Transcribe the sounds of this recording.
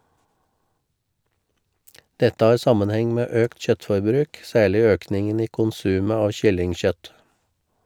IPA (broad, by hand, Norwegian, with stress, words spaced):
ˈdɛtə ˈɑːɾ ˈsɑmənˌhɛŋ ˈmeː ˈøːkt ˈçœtfɔɾˌbɾʉːk ˈsæːɭɪ ˈøːknɪŋən ˈiː kʊnˈsʉːmə ˈɑːʋ ˈçʏlɪŋˌçœt